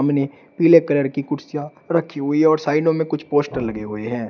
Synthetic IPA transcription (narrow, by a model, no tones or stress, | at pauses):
ɐmne | piːlekɐləɾkikʊɾsija | ɾɐkʰːiɦʊiɦɛ̃ɔːɾsaːɪnõmẽkʊt͡ʃʰpoːsʈəɾlɐɡeɦʊeɦɛ̃ː